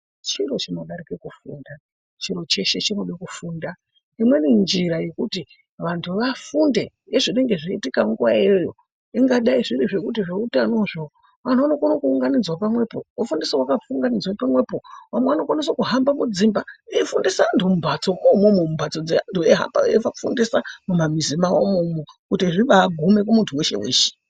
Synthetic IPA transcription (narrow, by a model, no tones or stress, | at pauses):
t͡ʃiɾo̞t͡ʃino̞ɗaɾikekufṵːnda | t͡ʃiɾo̞t͡ʃe̞ʃet͡ʃino̞ɓekufuːnda | imwe̞nind͡ʒiɾaje̞kuti | ʋantʰuʋafunde̞ | jeʐine̞ŋɡe̞ʐiitikaŋɡuʋaeojo | iŋɡaɗaiʐiɾiʐe̞kutiʐeutanoʐo | ʋan̤uʋanokonokuːŋɡanid͡zwapamwe̞po̞wafundisowakafuŋɡanid͡zwapamwe̞po̞ʋamweʋano̞kwanisokuɦambamud͡zimbaeifundisaːntʰumumbʱat͡so̞komomomumbʱat͡so̞d͡zeantueɦa̰mba̰ʋefakufundisamumamizimawomumokutiʐiɓaːɡʱume̞k̬umuntʰuwe̞ʃe̞̰wḛːʃe̥